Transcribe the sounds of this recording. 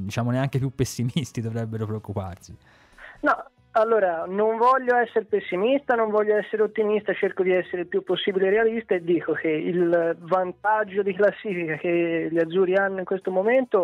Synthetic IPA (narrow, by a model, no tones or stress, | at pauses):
d̪it͡ʃaːmoneaŋkepjupːesːimist̪id̪ovɾɛbːeɾopɾeokːupa̰rsi | nɔ | alːoːɾanoɱvɔʎːoɛsːeɾepesːimist̪anoɱvɔʎːoɛsːeɾeot̪ːimist̪at͡ʃeɾkod̪iɛsːeɾeilpjupːosːiːbileɾealist̪aed̪ːiːkokeilvant̪ad͡ʒːod̪iklasːiːfikak̟eʎːiad̪zːuːɾianːoiŋkwest̪omoment̪o